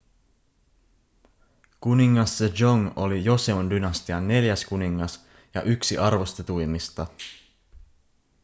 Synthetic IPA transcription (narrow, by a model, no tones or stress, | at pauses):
kuniŋːɑsːed͡ʒo̞ŋo̞lijo̞seondynɑst̪iɑnːe̞ljæskuniŋːɑs | jɑ̰ʔyksiʔɑrʋo̞st̪et̪ujmist̪ɑ